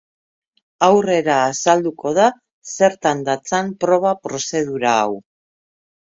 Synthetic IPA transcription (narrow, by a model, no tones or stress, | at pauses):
awre̞ɾaːsald̪uko̞ð̞a | se̞ɾt̪and̪at͡sampɾo̞β̞apɾo̞se̞ð̞uɾaːw